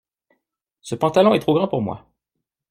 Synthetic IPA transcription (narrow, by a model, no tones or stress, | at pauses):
səpɑ̃t̪alɔ̃ɛt̪χoɡʁɑ̃puʁmwa̰